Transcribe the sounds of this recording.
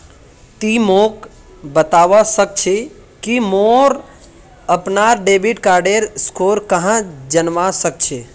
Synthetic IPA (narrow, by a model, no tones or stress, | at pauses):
t̪imok | bət̪aʋasək̚t͡ʃʰe | kimoɾ | əpnaɾɖebiʈkaːɾɖeɾskoɾkəɦãd͡ʒənʋasək̚t͡ʃʰe